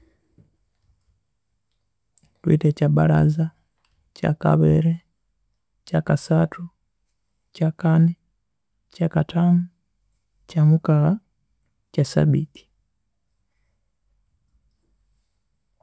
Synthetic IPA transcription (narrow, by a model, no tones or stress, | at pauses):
twḭtecabala̰za | ca̰ka̰βḛɾe | cakasatʰu | cakani | cakatʰamu | camukala | casa̰βḭti̥